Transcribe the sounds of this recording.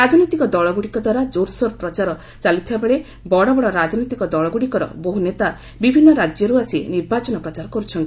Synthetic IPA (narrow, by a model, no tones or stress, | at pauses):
ɾad͡ʒɔnɔjt̪ikɔd̪ɔɭɔɡuɽikɔd̪waɾad͡ʒoɾsɔɾpɾɔt͡ʃaɾɔ | t͡ʃalit̪ʰibabeɭe | bɔɽɔbɔɽɔɾad͡ʒɔnɔjt̪ikɔd̪ɔɭɔɡuɽikɔɾɔ̰boɦunet̪a | bibʱinːɔɾad͡ʒjɔɾuasiniɾbat͡ʃɔnɔpɾɔt͡ʃaɾɔkɔɾut͡ʃʰɔnt̪i